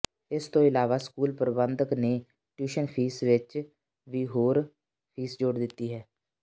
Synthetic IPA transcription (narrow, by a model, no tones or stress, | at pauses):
ɪst̪õːɪlaːʋaːskuːlpəɾbənd̪əkneː | ʈjuːʃənpʰiːsʋɪt͡ʃ | ʋiːɦoːɾ | pʰiːsd͡ʒoːɽd̪ɪt̪ːiːɦɛː